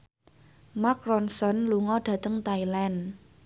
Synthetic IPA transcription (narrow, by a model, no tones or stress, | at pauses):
makɾɔnsɔnluŋɔɖ̥ä̤t̪əŋt̪ailan